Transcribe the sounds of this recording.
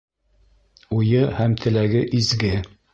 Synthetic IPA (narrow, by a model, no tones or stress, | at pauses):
ujɤhæmt̪ʰɘ̆læɡɘʔizɡɘ